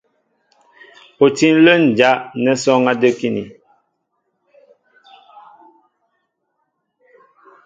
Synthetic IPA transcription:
po˨ti˦n˦lə˦n˨d͡ʒa˨˦ʔnɛ˦sɔ˦ŋa˦də˦ki˦nḭ˨

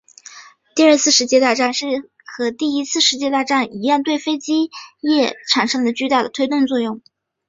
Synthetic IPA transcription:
t̪i˥˧ə˞˥˧t͡sʰɹ̩˥˩ʂɻ̩˧˥t͡ɕjɛ˥˧t̪a˥˧ʈ͡ʂa˥˧nʂɻ̩˥˩ | xɤ˧˥t̪i˥˩i˥t͡sʰɹ̩˥˩ʂɻ̩˧˥t͡ɕjɛ˥t̪a˥˧ʈ͡ʂa˥˩ni˧˥jɑ˥˧nt̪we˥˩ɪfe˥ɪt͡ɕi˥jɛ˥˩ʈ͡ʂʰa˧˥nʂɤ˥ŋd̪ə˨t͡ɕy˥˧t̪a˥˩d̪ə˩t̪ʰwe˥ɪt̪wʊ˥˧ŋt͡swɔ˥˧jʊ˥˩ŋ

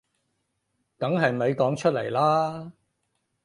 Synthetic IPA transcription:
kɐ˨˥ŋɦɐ˨jme˨˧jkɔː˨˥ŋt͡ʃʰɵ˥t̚lḛ˨˩jlaː˥

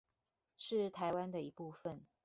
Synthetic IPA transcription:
ʂɻ̩˥˩t̪ʰa˧˦ɪwa˦˥nd̪ə˨i˧˥pu˥˩fə˨n

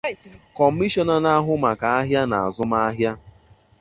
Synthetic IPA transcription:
kɔ˨˦mi˦ʃɔ˦na˨na˦ɦʊ˦ma˨ka˨a˦ɦja˦na˨a̰˨zʊ˦ma˦a˦ɦja˦

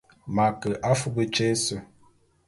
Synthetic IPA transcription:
ma˨kə˨ʔa˦fu˦bə˦t͡ʃe˦sə˦˨

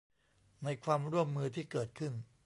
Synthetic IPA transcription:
na˧jkʰwaː˧mɾu˥˩əmːɯː˧t̪ʰiː˥˩kɤː˨˩t̪̚kʰɯ˥˩n

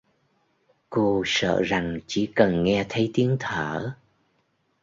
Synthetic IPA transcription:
ko˧sə̰ː˧˨za˨˩ŋt͡ɕḭ˧˩kə˨˩nŋɛ˧t̪ʰə˨˦jt̪i˨˦əŋt̪ʰəː˧˩

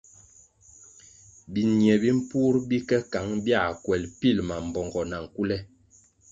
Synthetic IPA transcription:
bi˨njɛ˨bi˦m̩˦pu˦ɾbi˦kɛ˦ka˨˦ŋbja˦˨kwɛ˨lpi˦˨lma˨m̩˨bɔ˨ŋɡɔ˨na˨ŋ̩˨ku˦lɛ˦

